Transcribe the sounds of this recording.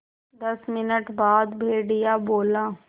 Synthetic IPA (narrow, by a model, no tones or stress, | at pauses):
d̪ɐsmɪnəʈbaːd̪bʱeːɖɪjaboːlaː